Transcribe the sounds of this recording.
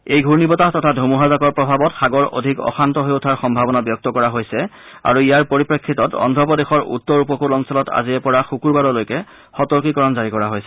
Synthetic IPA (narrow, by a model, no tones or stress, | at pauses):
ejɡʱuɹnibɔtatɔtʰadʱomuɦazakɔɹpɹɔbʱabɔtxaɡɔɹo̰dʱikɔ̰xantɔɦeotʰaɹxɔmbʱabɔnabjɔk̚tɔkɔɹaɦojsɛa̰ɹuijaɹpoɹipɹekʰːitɔtɔ̰ndʱɔpɔdexɔɹṵtːɔɹupɔkulɔnsɔlɔta̰ziɛpɔɹaxukuɹbadɔlojkɛ | xɔtɔɹkikɔɹɔnzaɹikɔɹaɦojsɛ